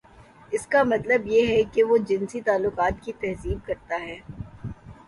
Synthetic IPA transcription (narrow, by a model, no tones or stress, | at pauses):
ɪskamɐt̪ləbjeɦɛkeʋod͡ʒɪ̃nsit̪aːlːʊqaːt̪kit̪ɛɦziːb̚kɐɾt̪aɦɛː